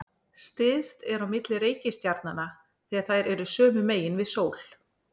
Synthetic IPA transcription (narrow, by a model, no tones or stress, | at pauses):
st̪ɪðst̪ɛɾawmɪt̪lɪɾeːjcɪst̪jaɾt̪nana | θiːaðθajɾɛɾʏsœːmʏmeːjɪnvɪðsoːwl̥